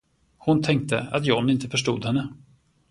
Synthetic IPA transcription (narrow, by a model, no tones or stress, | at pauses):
hʊnt̪ʰɛŋk̚t̪ə̰a̰t̪jɔnːɪnt̪əfœʂʈuːd̪hɛnːə